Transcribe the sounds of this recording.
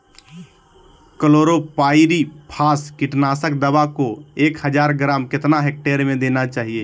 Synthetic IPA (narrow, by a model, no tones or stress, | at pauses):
kəloːɾopaːɪɾipʰaːskiʈnaːsək̚d̪əbakoeːkhəd͡ʒaːɾɡɾaːmkɪt̪naɦek̚ʈeɾmẽd̪eːnat͡ʃaːɦie